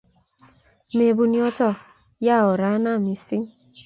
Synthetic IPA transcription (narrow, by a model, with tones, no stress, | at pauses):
me˨bu˨ni˨ɔ˦tɔ˦ | ja˦˨ɔ˨ɾa˨˦na˦˨mi˨si˦